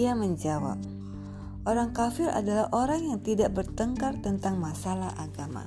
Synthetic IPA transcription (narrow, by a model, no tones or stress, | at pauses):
iaməɲd͡ʒawa̰p̚ | ʔoɾaŋkafɪɾa̰dalahʔoɾaŋjaŋt̪idaʔbərt̪əŋkart̪ənt̪aŋmasalaʔaɡama̰